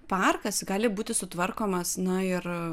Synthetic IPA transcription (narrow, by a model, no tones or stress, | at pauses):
pɑrkɐsɡɑːlʲɪbuːt̪ʲɪsʊt̪ʋɐrkoːmɐsnɐɪr